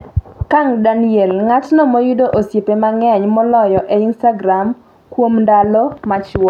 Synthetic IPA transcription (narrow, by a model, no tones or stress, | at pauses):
kaŋdanielŋatnɔmojudoʔosjepemaŋɛɲmɔlɔjɔʔeinstaɡɾam | kwomndalɔmat͡ʃɔ